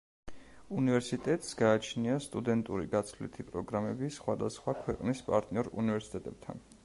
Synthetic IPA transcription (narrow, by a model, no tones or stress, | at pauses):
univɛɾsit̪ʼɛt̪ʼsɡaːt͡ʃʰniast̪ʼud̪ɛnt̪ʼuɾḭɡat̪sʰlḭt̪ʰipʼɾɔɡɾamɛbisχwad̪asχwakʰwɛqʼnispʼa̰ɾt̪ʼniɔɾṵnivɛɾsi̥t̪ʼɛt̪ʼɛb̚t̪ʰa̰n